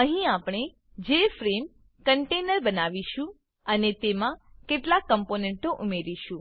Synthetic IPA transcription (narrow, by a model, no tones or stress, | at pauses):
əɦĩapɳ̃e | d͡ʒefɾem | kəɳʈenəɾbənaʋiʃũ | ənet̪emãkeʈlakːəmponeɳʈoʔumeɾiʃũ